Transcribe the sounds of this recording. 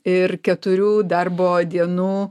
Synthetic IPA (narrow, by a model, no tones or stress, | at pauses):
ɪɾkʲɛt̪ʊɾʲuːd̪ɐrboːd̪ʲiɛnuː